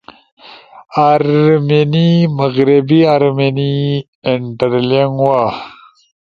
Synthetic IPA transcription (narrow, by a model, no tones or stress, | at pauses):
aɾmeniməɣɾibiaɾmeni | ɪɳʈɐɾleŋwa